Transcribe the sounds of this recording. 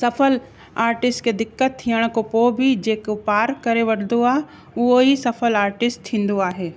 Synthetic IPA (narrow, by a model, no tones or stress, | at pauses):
sɐfəl | aːɾʈɪsʈked̪ɪkːət̪̚t̪ʰːiːəɽ̃kopoːbʱɪd͡ʑeːkopaːɾkɐɾeʋɐɽnd̪oaːɦ | ʊɦoisɐfəlaːɾʈɪsʈ̚t̪ʰĩːn̆d̪oaːɦeː